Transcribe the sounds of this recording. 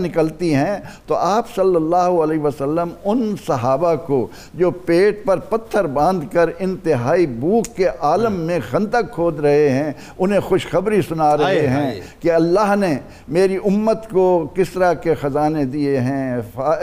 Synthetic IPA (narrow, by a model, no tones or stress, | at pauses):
nɪkəlt̪iɦɛ̃t̪oʔaːpsɐlːəlːaːɦuɐleːʋasəlːəmʊnsɐɦaːbako | d͡ʒoːpeːʈ̚pɐɾpɐt̪ʰːəɾbãːnd̪kɐɾɪ̃nt̪ɪɦaːibuːkːeʔaːləmːẽxɐ̃nd̪əkʰːoːd̪ɾɐɦeɦɛ̃ | ʊn̤ɦẽxʊʃxɐbɾisʊnaɾɐɦeɦɛ̃kiɐlːaːɦne | meːɾiʔʊmːət̪kokɪsɾakexɐzaːned̪ieɦɛ̃ːfaː